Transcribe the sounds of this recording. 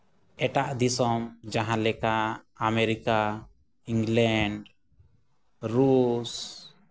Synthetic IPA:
ɛʈaʔd̪isɔmd͡ʒaɦãlɛkaːmeɾika | iŋɡlɛɳɖ | ɾus

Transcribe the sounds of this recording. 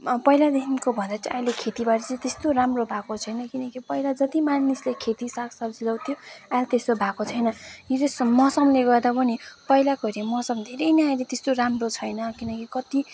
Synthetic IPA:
pʌjlad̪ekimkobʱʌnd̪at͡sajlekʰet̪ibaʈʌt͡sʌĩt̪est̪oɾamrobʱakot͡sʰʌjnʌkinʌkipʌjlad͡zʌt̪imanislekʰet̪isʌksʌbd͡zilawt̪ʰjoalt̪est̪obʱakot͡sʰʌjnʌitesmʌsʌmleɡʌrd̪apʌnipʌilakoɾimʌsʌmd̪ʱeɾʌjnaajlet̪est̪oɾamrot͡sʰʌjnʌkinʌkikʌt̪i

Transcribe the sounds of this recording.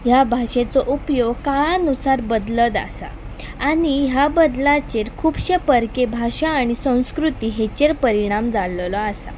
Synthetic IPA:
ɦjabʱaɕet͡sɔʔupjoɡ̚kaɭnusaɾbəd̪ləd̪a̰sa̰ː | ɽ̃iɦjabəd̪lat͡ɕeɾkʰuːbɕepəɾkebʱaɕaːɽ̃isə̃w̃skɾut̪iːɦet͡ɕeɾpəɾiɽ̃amd͡zallɔasa̰

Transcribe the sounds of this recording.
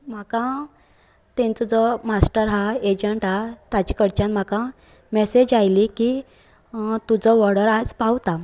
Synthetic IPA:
m̤akã | t̪ẽnt͡səd͡zɔmasʈəɾɦaed͡ʑəɳʈɦat̪at͡ɕikəɽt͡ɕãnm̤akã | mɛsed͡ʑajliki | t̪ud͡zəʋɔɽəɾad͡zpawt̪a

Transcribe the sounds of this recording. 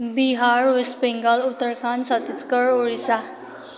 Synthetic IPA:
biɦaɾʋespiŋɡəlut̪ːəɾkʰansət̪it͡skəɾoɭisa

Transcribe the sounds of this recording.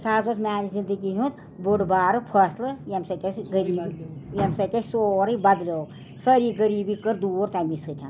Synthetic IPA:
saːzosmʲaːnizind̪əɡiɦũt̪ | buɖbaːɾɨpʰɐslɨjɐmsɐt̪ʲɐsɡəɾiːbijemsɐt̪ʲɐsʲsoːɾibɐd̪lʲoː | səɾiːɡəɾiːbikəɾd̪uːɾt̪amisɨt̪ʲʰɐn

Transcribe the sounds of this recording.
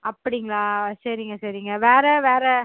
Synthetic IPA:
ɐpːɐɽɪŋɡɐɭãːsɐɾiŋɡɐsɐɾiŋɡɐʋeːɾɛʋeːɾɛ

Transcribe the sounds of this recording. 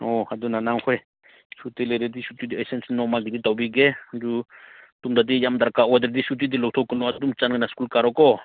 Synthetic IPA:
ɔhad̪unanaŋxʰwɛ | ʃut̪ɛlɛɾɛd̪iʃut̪id̪iasɛnsinɔmaɡid̪it̪awbiɡɛd͡ʒu | t̪umd̪ad̪ijamd̪aɾkaʔwɛd̪ɾd̪iʃut̪id̪ilɔt̪ʰɔkinɔat̪umt͡ʃanɡnaskulkaɾɔkɔ

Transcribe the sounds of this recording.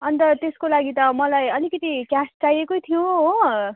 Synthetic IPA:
ʌnt̪ʌt̪eskolaɡit̪ʌmʌlajʌlikʌt̪ikjast͡sajekojt̪ʰijõo

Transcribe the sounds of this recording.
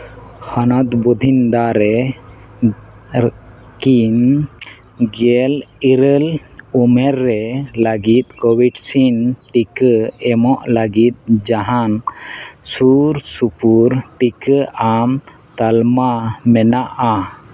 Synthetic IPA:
hənɔt̪bud̪ʱind̪aɾɛ | kin | ɡɛliɾəlumɛɾːɛləɡit̪̚kɔwiɖsinʈikəɛmɔʔləɡit̪̚d͡ʒaɦan | suɾsupuɾʈikəʔam | t̪almamɛnaʔa

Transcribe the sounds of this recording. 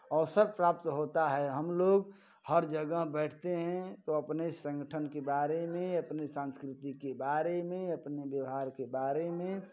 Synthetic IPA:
ɔːsəɾpɾapt̪ɦot̪aɦɛɦəmloɡ | həɾd͡ʒəɡəɦbɛɪʈʰt̪eɦɛ̃t̪oəpnesə̃ŋɡəʈʰənkebaɾemẽəpnesãnskɾɪt̪ikebaɾemẽəpnebjəʋɦaːɾkebaɾemẽ

